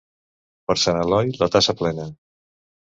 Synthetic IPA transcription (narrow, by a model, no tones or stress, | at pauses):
pəɾsanəlɔjlət̪asəplɛnə